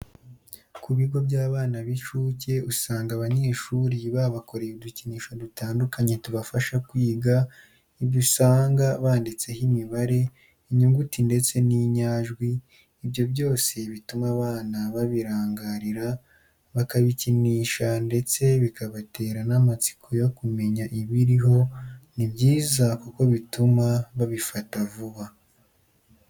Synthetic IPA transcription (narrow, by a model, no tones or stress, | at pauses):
kuβiɡo̞bjaːβaːnaβit͡ʃuːce̞usaːŋɡaβaɲe̞ːʃuːɾiβaβako̞ɾeuduciniːʃadutaːndukaɲe̞tuβafaʃakwiːɡa | iβɟusaːŋɡaβaːndit͡se̞himiβaɾe̞ | iɲuŋɡutinde̞t͡se̞niɲaːʒɡwiː | bjo̞bɟo̞ːse̞βitumaβaːnaβaβiɾaːŋɡaɾiɾa | βakaβiciniːʃande̞t͡se̞βikaβate̞ːɾanamat͡si̥kʰo̞jo̞kume̞ɲaʔiβiɾiɦo̞nibɟiːzakuko̞βitumaβaβifatavuβa